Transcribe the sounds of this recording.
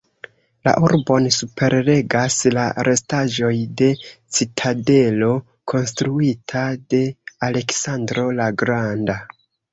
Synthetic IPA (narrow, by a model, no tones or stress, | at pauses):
la̰ʔuɾbo̞nsupʰe̞ɾle̞ɡaslaɾʔe̞staʒo̞jde̞t͡sitʰade̞lo̞ | kʰo̞nstɾuitʰade̞ale̞ksandɾo̞laɡɾanda